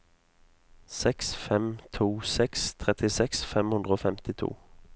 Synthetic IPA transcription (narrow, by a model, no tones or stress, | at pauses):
sɛksfɛmt̪ʰuːsɛkst̪ʰʁɛt̪ɪsɛksfɛmhʉnd̪ʁoːfɛmt̪ɪt̪ʰṵː